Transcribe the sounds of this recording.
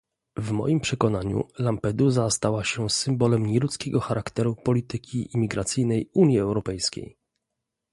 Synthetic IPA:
vmɔ̰jimpʂɛkɔnaɲṵlampɛd̪uzast̪awaɕɛsɘmbɔlɛmɲɛlut̪skʲɛɡɔxaɾʔakt̪ɛɾupɔlʲit̪ɘkʲʰḭːmʲiɡɾat̪sɘjnɛjuɲjiɛwɾɔpɛjskʲḛj

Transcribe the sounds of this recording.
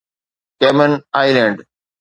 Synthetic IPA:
keːmənaːɪlẽɳɖ

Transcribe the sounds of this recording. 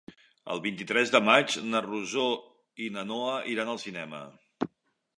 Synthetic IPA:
ə̰lˠβint̪it̪ɾɛzðəmad͡ʒnəruzo | inənoəʔiɾanəlˠsinɛmə̰

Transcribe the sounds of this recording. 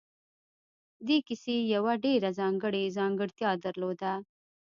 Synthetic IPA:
d̪ekɪsejawaɖeɾazɑŋɡəɽezɑŋɡəɽt̪jɑd̪aɾlod̪a

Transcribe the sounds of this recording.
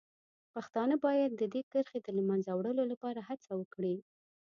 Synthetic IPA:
paxt̪ɑnəbɑjad̪̚ːəd̪ekəɾxed̪əlmanzawɽəlolapɑɾahat͡sawəkɽi

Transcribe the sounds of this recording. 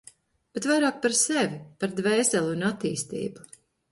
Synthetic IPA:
b̥ɛt̪vajɾaːk̚paɾsɛvʲipaɾd̪vɛːsɛlˠunat̪ːiːst̪ḭːbu̥

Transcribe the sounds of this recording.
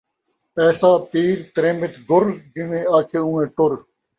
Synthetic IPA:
ɛːsaːp̪iːɾt̪ɾẽːmɪt̪ɡʊɾɡɪʋẽːaːkʰeːũːẽːʈʊɾ

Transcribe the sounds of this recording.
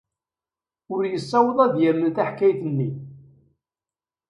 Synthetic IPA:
ʊɾjəsːɑwəðˤɑðjæmːənθæħkæjθənːi

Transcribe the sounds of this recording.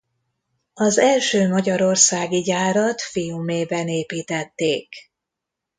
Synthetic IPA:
ɒzɛlʃøːmɒɟɒɾo̞rsaːɡiɟaːɾɒt̪fijumeːbɛneːpiːt̪ɛt̪ːeːk

